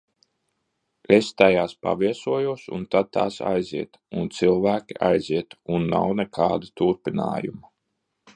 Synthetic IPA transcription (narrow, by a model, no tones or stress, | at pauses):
est̪ajaːspa̰viɛsuɔjuɔsṵnt̪ad̪̚t̪a̰ːsa̰jziɛt̪ | unt̪silˠvæːkʲiʔajziɛt̪unːa̰wnɛkʰaːd̪at̪uɾpina̰ːjuma